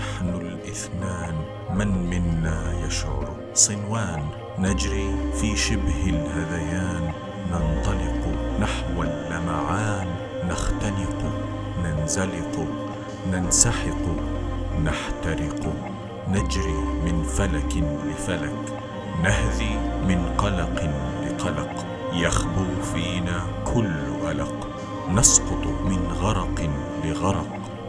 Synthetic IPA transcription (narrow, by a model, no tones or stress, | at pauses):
naħnʊlʔɪθnaːn | manmɪnːajaʃʕʊ̰ɾˤ | sˤɨnwaːnː | ad͡ʒɾiːfiːʃɪbhɪlhaðajaːnː | ɑnt̪ˤɑlɪqnaħwalːamaʕaːnː | axt̪anɪqʊ | nanzalɪqʊ | nansaħɪq | naħt̪ɑɾɪq | nad͡ʒɾiːmɪnfalaklɪfalak | nahðiːmɪnqɑlɑqlɪqɑlɑq | jaxbʊɾfiːnaːkʰʊlːʔalɑq | nɑsqʊt̪ˤmɪnɣɑɾˤɑq | lɪɣɑɾˤɑq